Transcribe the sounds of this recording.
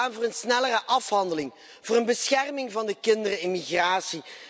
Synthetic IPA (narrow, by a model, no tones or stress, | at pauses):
aːnvʊːrənsnɛlərəʔɑfɦɑndəlɪŋ | v̥ʊːɾənbəsxɛrmɪŋvɑndəkɪndərəɪnmiɣraːsi